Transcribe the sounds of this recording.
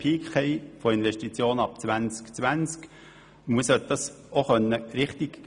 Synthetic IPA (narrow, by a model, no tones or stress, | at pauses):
pʰiːkχɛɪfoɪnʋɛʃtit͡sjoːnɑpt͡sʋænt͡skt͡sʋænt͡sk | muəsœt̚d̥ɑs | oχœnːəɾɪχtik